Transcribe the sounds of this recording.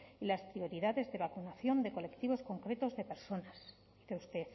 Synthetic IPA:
ilaspɾio̞ɾiðaðe̞zðe̞βakunaθjo̞nd̪e̞ko̞le̞kt̪iβ̞o̞sko̞ŋkɾe̞t̪o̞zðe̞pe̞ɾso̞nas | d̥̪iθe̞ust̪e̞θ

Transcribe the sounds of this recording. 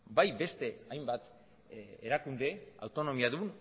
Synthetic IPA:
bajbe̞st̪e̞ajmbat̪ | eɾakund̪e̞a̰wt̪o̞no̞miaðun

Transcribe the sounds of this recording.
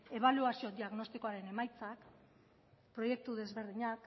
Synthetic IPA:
e̞β̞aluasio̞d̪iaɣno̞st̪iko̞aɾe̞ne̞majt͡sak | pɾo̞je̞k̚t̪uðe̞zβe̞ɾðiɲak

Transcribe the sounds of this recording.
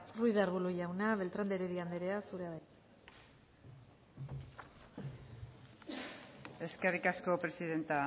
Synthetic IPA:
rujðaɾβuluʝawnaβe̞lt̪ɾand̪eɾeðiand̪eɾe̞asuɾeaβajt̪ | e̞skerikasko̞pɾe̞siðe̞nt̪a

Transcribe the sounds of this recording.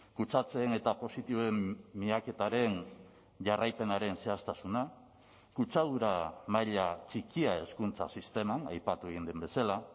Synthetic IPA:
kut͡sat͡se̞ːne̞t̪apo̞sit̪iβoe̞mːiake̞t̪aɾe̞n | ʝarajpe̞naɾe̞nse̞ast̪asuna | kut͡ʃaðuɾamaʎat͡ʃikiae̞skunt͡sa̰sist̪e̞mana̰jpat̪ueɣind̪embe̞sala

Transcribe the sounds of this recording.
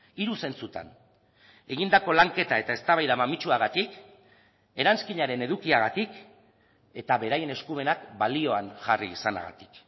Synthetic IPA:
iɾuse̞nt͡sut̪a̰n | e̞ɣind̪ako̞laŋke̞t̪ae̞t̪ae̞st̪aβajðamamit͡ʃuaɣ̞at̪ik | e̞ɾanskiɲaɾe̞ne̞ðukiaɣat̪ik | e̞t̪aβe̞ɾaje̞ne̞skume̞nakbalio̞anʝariːsana̰ɣa̰t̪i̥k

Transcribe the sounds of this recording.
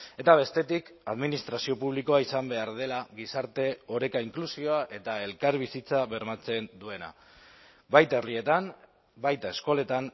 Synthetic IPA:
e̞t̪aβ̞e̞st̪e̞t̪ikaðminist̪ɾasio̞puβ̞liko̞aisambe̞aɾðe̞laɣisaɾt̪e̞o̞ɾe̞kaiŋklusio̞aʔe̞t̪ae̞lkaɾβisit͡saβe̞ɾmat͡se̞nd̪ue̞na̰ | bajt̪e̞rie̞t̪am | bajt̪ae̞sko̞le̞t̪an

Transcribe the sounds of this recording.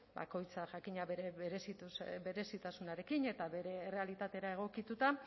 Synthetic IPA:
ba̰ko̞jt͡saʝakiɲaβeβeɾesit̪ube̞ɾe̞sit̪asunaɾe̞kine̞t̪aβeɾe̞ːre̞alit̪at̪e̞ɾae̞ɣ̞o̞kit̪ut̪a

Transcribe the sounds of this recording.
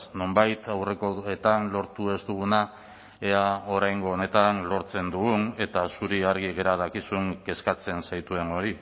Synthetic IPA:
no̞mbajt̪awre̞koe̞t̪anlo̞ɾt̪ue̞st̪uɣ̞una | eao̞ɾajŋɡo̞ːne̞t̪anlo̞ɾt͡se̞nd̪uɣune̞t̪asuɾiaɾɣ̞iɣe̞ɾað̞akisueŋɡe̞skat͡se̞nsajt̪ue̞no̞ɾi

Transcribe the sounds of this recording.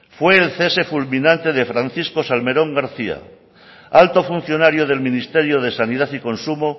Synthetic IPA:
fwe̞ːlθese̞fulminãnt̪e̞ðe̞fɾanθisko̞salme̞ɾõ̞ŋɡaɾθia̰ | alt̪o̞fun̟θjo̞naɾjoð̞e̞lmĩnist̪e̞ɾjoðe̞saniðaθiko̞nsumo

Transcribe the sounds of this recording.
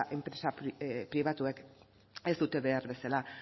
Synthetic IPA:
ʔe̞mpɾe̞sappɾiβ̞at̪uek | e̞zd̪ut̪e̞βe̞aɾβe̞sala

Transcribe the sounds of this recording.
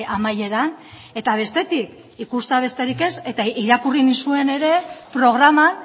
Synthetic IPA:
amaje̞ɾan | e̞t̪aβ̞e̞st̪e̞t̪ik | ikust̪aβ̞e̞st̪e̞ɾike̞se̞t̪aiɾakurinisue̞ne̞ɾe̞pɾo̞ɣ̞ɾaman

